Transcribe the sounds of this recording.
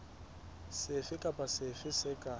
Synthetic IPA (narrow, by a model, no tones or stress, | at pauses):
sɪfɪkʼapʼasɪfɪsɪkʼa